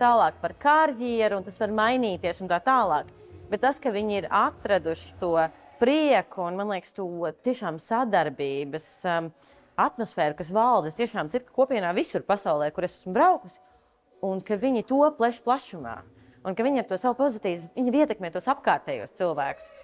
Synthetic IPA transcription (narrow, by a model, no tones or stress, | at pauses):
t̪aːlˠɑːk̚paɾkaɾjiɛɾuːnt̪asvaɾmajniːt̪iɛsunt̪aːt̪aːlˠɑːk | b̥ɛt̪̚t̪ːaskɐviɲiɾat̪ɾad̪uʃɪ̥t̪uɔ | pɾiɛkuːnmanlˠiɛkst̪ut̪iɛʃaːmsad̪aɾbiːbɐs | at̪mɔsfɛːɾukas̬valˠd̪ɪt̪iɛʃaːmit̪kḁkuɔpiɛnaːvisuɾpasaʊlˠɛːkuɾesḁsmbɾaʊkusɪ̥ | unkaviɲit̪uɔplˠɛʃplˠaʃuma̰ː | unkɐviɲaɾt̪uɔsawupɔzit̪iːziɲaiɛt̪ɛkmɛt̪uɔsapkaːɾt̪ɛːjṵɔst̪silˠvæːkʊ̥s